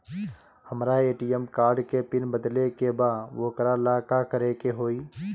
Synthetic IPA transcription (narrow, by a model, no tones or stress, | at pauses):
həmɾaeːʈijəmkaːɾɖkepɪnbəd̪lekebaːʋoːkəɾalaːkakəɾekeɦoːiː